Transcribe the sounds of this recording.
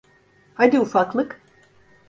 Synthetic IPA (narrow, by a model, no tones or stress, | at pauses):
had̪iufaklˠɯk